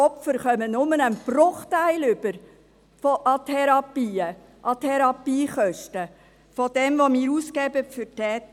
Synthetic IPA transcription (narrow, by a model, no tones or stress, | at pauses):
ɔpfəɾχœmənʊmənənb̥rʊχtæɪlʏbəɾ | fɔʔɑtʰɛɾɑpiːə | ʔɑtʰɛɾɑpiːχœʃtə | fɔd̥ɛmvomiːɾuːskɛbəfʏɾtɛːt